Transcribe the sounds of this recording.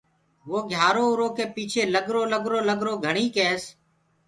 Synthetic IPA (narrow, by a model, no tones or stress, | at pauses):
ʋoːɡʱjaːɾoːʊɾoːkeːpiːt͡ʃʰeːləɡɾoːləɡɾoːləɡɾoːɡʱəɳ̃iːkeːs